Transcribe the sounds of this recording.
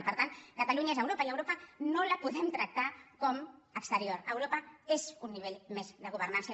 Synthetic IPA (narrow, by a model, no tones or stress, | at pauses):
pəɾt̪ankat̪aluɲaezəwɾopəiləwɾopənoləpuðɛmt̪ɾək̚t̪akɔməkst̪əɾioɾəwɾopəezunːiβ̞eʎmezðəɣ̞uβ̞ərnansə